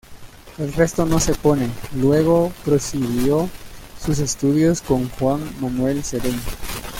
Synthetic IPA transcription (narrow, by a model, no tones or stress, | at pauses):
elre̞st̪o̞no̞se̞pone̞lwe̞ɣ̞o̞pɾo̞siɣjo̞sus̬e̞st̪uðjosko̞ŋxwaŋmanwe̞lseɾeɲo